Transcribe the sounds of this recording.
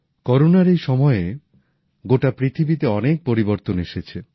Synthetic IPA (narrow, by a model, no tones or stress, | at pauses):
kɔɾonaɾejʃɔmɔee | ɡoʈapɾit̪ʰibit̪eɔnek̚poɾiboɾt̪oneʃet͡ɕʰe